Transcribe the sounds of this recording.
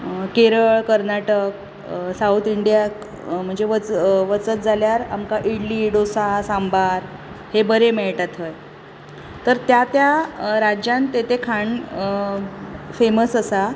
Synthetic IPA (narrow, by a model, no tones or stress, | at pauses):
keɾəɭkəɾnaʈək̚ | saut̪ʰiɳɖijak | m̤əɳd͡zeʋət͡sʋət͡sət̪̚d͡zʱaljaɾamkaʔiɽliːɖosasambaɾ | hebəɾemeɭʈat̪ɦəj | t̪əɾt̪jat̪jaɾad͡ʑjant̪et̪ekʰaɳ | feməsəsa